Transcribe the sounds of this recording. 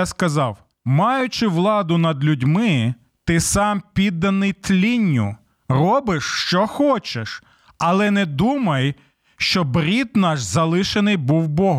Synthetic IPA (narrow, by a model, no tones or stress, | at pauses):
askɐzɑw | mɑjʊt͡ʃɪʋlˠɑd̪ʊnɐd̪lʲʊdʲmɪ | t̪ɪsɑmpʲid̪ːɐnɪjt̪lʲinʲːʊ̰ | rɔbɪʃʃt͡ʃɔxɔt͡ʃeʃ | ɐlˠɛnɛd̪umɐj | ʃt͡ʃɔbɾʲit̪nɑʃzɐlˠɪʃenɪjbuwbɔɦ